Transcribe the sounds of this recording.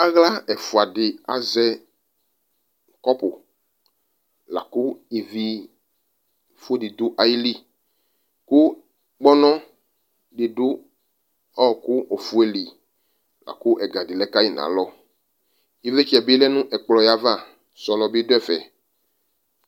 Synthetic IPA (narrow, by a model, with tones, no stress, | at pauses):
a˦ɣla˦ɛ˨fʊ˨a˨dɪ˨a̰˨zɛ˦ | kɔ˦pʊ˨ | la̰˨kʊ˦i˨vi˦˨ | fu˦e˦dɪ˨dʊ˦ʔa˨ji˦li˦ | kʊ˦ | k͡pɔ˦nɔ̃˦ | dɪ˨dʊ˦ | ɔ˦ɔ˨kʊ˦ʔo˨fu˦e˦li˨ | la̰˨kʊ˦ʔɛ˨ɡa˨dɪ˨lɛ˦ka˦ji˦˨nã̰˨˦lɔ˦ | i˦ve˦t͡ʃɛ˨bɪ˦lɛ˦nʊ̃˦ʔɛ˨k͡plɔ˨ja˦va˦˨ | sɔ˨lɔ˨bɪ˦dʊ˦ɛ˦˨fɛ˨